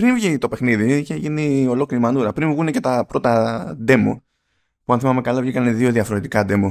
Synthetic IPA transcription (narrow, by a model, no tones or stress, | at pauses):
pɾinvʝit̪o̞pe̞xniðiiçe̞ʝinio̞lo̞kliɾimɐnuɾɐpɾinvɣune̞ce̞t̪ɐpɾo̞t̪ɐd̪e̞mo̞̰ | puɐnθimɐme̞kɐlɐvʝikɐneðio̞ðiɐfoɾot̪ikɐd̪e̞mo